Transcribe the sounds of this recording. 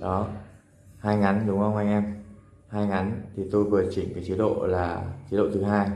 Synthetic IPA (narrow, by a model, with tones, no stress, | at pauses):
ɗɔ˨˦ | haː˧jŋa˨˦nɗʊ˨˦ŋ͡mxə˧wŋ͡mha˧jŋʔɛ˧m | haː˧jŋa˨˦nt̪ʰi˨˩t̪o˧jvɨ˨˩ət͡ɕï˧˩ŋkaː˨˦jt͡ɕi˨˦ɗo̰˧˨laː˨˩t͡ɕi˨˦˥ɗo̰˧˨t̪ʰɨ˨˦ɦaː˧j